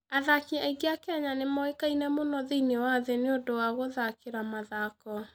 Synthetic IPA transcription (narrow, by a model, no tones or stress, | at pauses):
aðakiaiɡeakɛɲanemɔekainɛmonɔðeinewaðeneodowaɣoðakeɾamaðakɔ